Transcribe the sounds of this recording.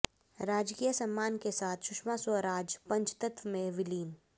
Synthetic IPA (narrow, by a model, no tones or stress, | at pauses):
ɾaːd͡ʒkiːjəsɐmːaːnkesaːt̪ʰʃʊʃmasəɾaːd͡ʒpɐ̃ɲt͡ʃt̪ɐt̪ʋmẽʋɪliːn